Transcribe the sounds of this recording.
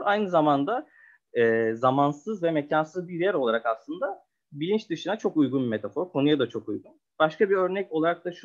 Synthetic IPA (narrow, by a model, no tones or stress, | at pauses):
ajnɯzamand̪a | ɛːzamansɯzvɛmecʰansɯzbiɾjɛɾo̞lˠaɾakaslˠɯnd̪a | bilʲint͡ʃd̪ɯʃɯnat͡ʃʰo̞kujɡunbime̞t̪ʰafo̞ɾkʰo̞nujad̪at͡ʃʰo̞kujɡun | b̥aʃkabiø̞ɾnɛco̞lˠaɾak̚t̪aʃ